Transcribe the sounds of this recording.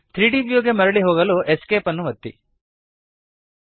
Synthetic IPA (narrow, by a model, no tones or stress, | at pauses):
t̪ʰɾiːɖibjoːɡemɐɾɐɭiɦoːɡɐloːʔeskeːpɐnːuʋɐt̪ːḭ